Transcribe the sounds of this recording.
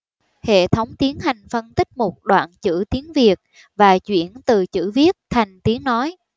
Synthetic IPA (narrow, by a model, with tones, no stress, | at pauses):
hḛ˧˨t̪ʰə˨˦wŋ͡mt̪i˨˦ənɦa˨˩jŋ̟fə˧nt̪ï˦˥k̟̚mʊ˨˩k͡p̚ɗwa̰ː˧˨nt͡ɕɨ̰˧˥t̪i˨˦ənvi˨˩ək̚ | vaː˨˩t͡ɕwḭ˧˩ənt̪ɨ˨˩t͡ɕɨ̰˧˥vi˦˥ət̚t̪ʰa˨˩jŋ̟t̪i˨˦əŋnɔ˨˦j